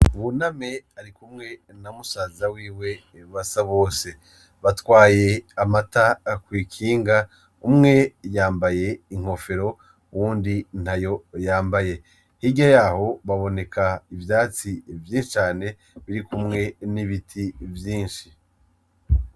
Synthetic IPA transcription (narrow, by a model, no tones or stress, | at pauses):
uβuname̞aɾikumŋe̞ | namusaːzawiːwe̞ | βasaβo̞ːse̞ | βatwaːje̞amatakwiːkʰiːŋɡa | umŋe̞jaːmbaje̞iŋ̥ho̞fe̞ɾo̞ | uwuːndin̥hajo̞jaːmbaje̞ | hiɟajaːho̞βaβo̞ne̞kʰaivjaːt͡sivjĩːnʃit͡ʃaːne̞ | βiɾikumŋe̞niβitʰivjiːnʃi